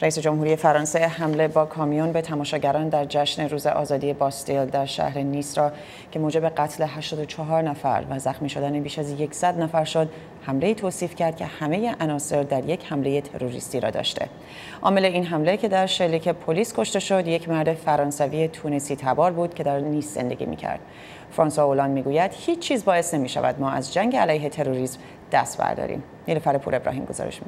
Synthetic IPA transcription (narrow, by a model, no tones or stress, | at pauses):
ɾæise̞d͡ʒomhuːɾije̞fæɾɒːnse̞ɦæmle̞bɒːkʰɒːmijunbe̞t̪ʰæmɒːʃɒːɟæɾɒːnd̪æɾd͡ʒæʃne̞ɾuːze̞̰ʔɒ̰ːzɒːd̪ije̞bɒst̪eld̪æɾʃæ̰hɾe̞nisɾɒː | cʰe̞moːd͡ʒe̞be̞ɡæt̪ʰle̞ɦæʃt̪ɒːd̪o̞t͡ʃʰɒɦɒːɾnæfæ̰ɾvæzæxmiːʃo̞d̪ænebiːʃæzje̞cʰsæd̪næfæɾʃod̪̚ | hæmle̞iːt̪ʰoːsiːfcʰæɾd̪̥̚cʲʰe̞hæme̞je̞ʔænɒːse̞ɾd̪æɾje̞chæmle̞je̞t̪ʰe̞̰ɾoɾḭst̪iːɾɒ̰ːd̪ɒ̰ːʃt̪ʰe̞̰ | ʔɒːmeleinɦæmle̞cʰe̞d̪æɾʃelːiːcʰe̞pʰoliːskʰo̞ʃt̪e̞ʃod̪je̞cʰmæɾd̪e̞fæɾɒːnsæviːje̞t̪ʰuːnesiːt̪ʰæbɒːɾbuːd̪̥cʰe̞d̪æɾniːsz̥ḛnd̪e̞ɡʲḭːmḭːcʰæ̰ɾd̪̥̚ | fɾɒːnsoolɒːnd̪miːɡuːjæd̪̥hiːt͡ʃʰt͡ʃʰːiːzbɒːesne̞miːʃæ̰væ̰d̪mɒːʔæ̰zd͡ʒæŋɟeælæjɦe̞t̪ʰe̞ɾoɾiːsm | d̪̥æ̰st̪bæ̰ɾd̪ɒ̰ːɾḭːm | nilefæɾepʰṵːɾe̞bɾʔɒ̰ːɦiːmɡo̞zɒ̰ɾḛʃmi